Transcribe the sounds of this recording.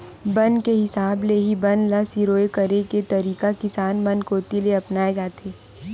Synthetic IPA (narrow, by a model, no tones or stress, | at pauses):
bɐnkeɦɪsaːbleɦibɐnlasiɾoːekɐɾeket̪ɐɾiːkakɪsaːnbɐ̃nkoːt̪ileɐpnaːed͡ʒaːt̪ʰeː